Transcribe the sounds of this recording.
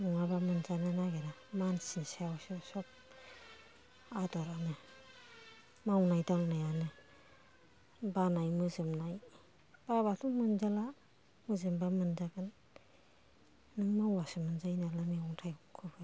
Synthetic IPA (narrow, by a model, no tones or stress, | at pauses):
nuŋabamɯnzananaɡenamansinsawsɯsɔp̚ | adɔɾanɯ | mawnajdaŋnajanɯ | banajmɯzɯmnaj | b̥abatʰumɯnzala | mɯzɯmbamɯnzaɡɯn | ɯŋmawwasɯmɯnzajnalamiɔŋtʰajɔmkʰɯbɯ